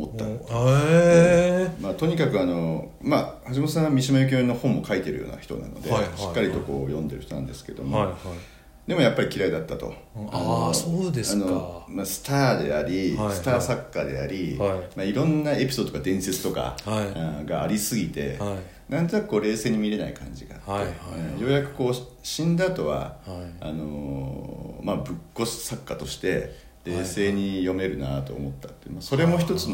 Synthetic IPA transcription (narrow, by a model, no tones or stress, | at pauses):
mot̪ːa̰ | maːt̪o̞ɲ̟ikakɯ̟ano̞mahaɕ̬imoosãamʲiɕimajok̬ʲonːo̞hõ̞mːo̞kait̪e̞ɾɯ̟jo̞̰ːna̰çi̥t̪o̞̰na̰nod̪e̞ɕi̥kːaɾʲit̪o̞ko̞̰ːjõ̞nd̪e̞ɾɯ̟çi̥t̪o̞nãnd̪e̞sɨ̥ke̞d̪o̞mo | d̪e̞mo̞japːaɾʲikʲiɾaid̪at̪ːat̪o̞̰ | a̰nosoːd̪esano̞masɨ̥t̪aːd̪e̞̰aɾʲisɨ̥t̪aːsakːad̪e̞̰a̰ɾʲimaiɾõ̞nːae̞pʲi̥sod̪ookad̪ẽ̞ɰ̃se̞t͡sɨ̥t̪o̞ka̰ãɡaːɾʲisɨɡʲit̪e̞̰ | nãnt̪oakɯ̟ko̞ːɾe̞ːse̞ːɲ̟imʲiɾe̞na̰ḭkʰã̰ɲ̟d͡ʑiɡa̰ːt̪ːẽjo̞ːjakɯ̟̥ko̞ː | ɕĩnd̪at̪o̞βa̰a̰no̞ | mabɯ̟kːo̞ssakːat̪o̞ɕi̥t̪e̞ | ɾe̞ːse̞ːɲ̟ijo̞me̞ɾɯ̟nat̪o̞̰ːmo̞t̪ːat̪ːenmaso̞ɾe̞mo̞çi̥t̪o̞t͡sɨn